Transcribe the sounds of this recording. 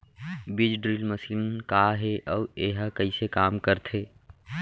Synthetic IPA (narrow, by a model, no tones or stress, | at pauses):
bid͡ʒɖɾilməsiːnkaːɦeʔɔːeɦəkəisekaːmkəɾt̪ʰɦeː